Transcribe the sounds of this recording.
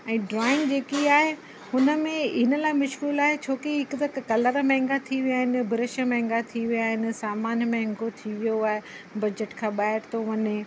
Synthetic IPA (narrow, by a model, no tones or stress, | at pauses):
ɛ̃ːɖɾaːɪ̃ŋɡd͡ʑeːkiaːɦe | hʊnə̆mẽɪnə̆laːɪmʊʃkuːlaːɦet͡ɕʰoːkeɦɪkʊt̪ɐkkːɐləɾmɛ̃ɦɪ̃ŋɡat̪ʰiʋijaːɦɪnɪ̆bʱɪɾɪʃə̆mɛ̃ɦŋɡat̪ʰiʋijaːɦɪnɪ̆saːmaːnmɛ̃ɦɪ̃ŋɡot̪ʰiʋijoaːɦe | bɐd͡ʑəʈkʰãːɓaːɦɪɾt̪ʰoʋɐɲe